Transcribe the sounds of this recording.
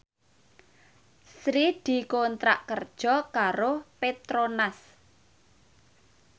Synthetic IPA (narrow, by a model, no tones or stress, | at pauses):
sɾid̪̥i̤kont̪ɾa̰ʔkərd̥ʒ̥ɔ̤kaɾopet̪ɾonas